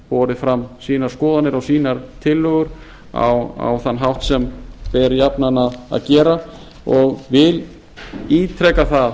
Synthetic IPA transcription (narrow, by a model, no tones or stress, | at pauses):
pɔːɾɪfɾamsiːnaɾ̥skɔːðanɪɾawsiːnaɾt̪ʰɪlːœːɣʏɾ | a̰wa̰wθanːɦawht̪sɛmpɛɾjapnanaða̰ðcɛːɾa | ɔɣvɪl | iːt̪ʰɾɛkaθað